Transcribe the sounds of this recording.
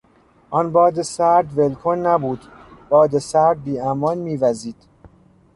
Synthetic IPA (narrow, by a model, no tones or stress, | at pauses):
ʔɒnbɒːd̪esæɾd̪velkʰonːæbuːd̪b̥ɒːd̪esæɾd̪̚biːæmɒːnmiːvæziːd̪̥